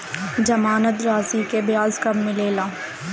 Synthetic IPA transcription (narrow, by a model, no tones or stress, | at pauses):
d͡ʒɐmaːnət̪ɾaːzikebɪjaːzkɐmmɪleːlaː